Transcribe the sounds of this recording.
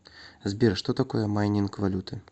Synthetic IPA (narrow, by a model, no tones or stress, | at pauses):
zʲbʲɛɾʂt̪ɔt̪akɔjɛmajnʲinkvalʲut̪ɨ